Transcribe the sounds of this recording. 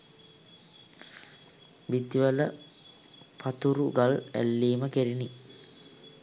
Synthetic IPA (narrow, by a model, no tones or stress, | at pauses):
bid̪ʋələ | pʰat̪uɾuɡalæ̰lːiːməkeɾini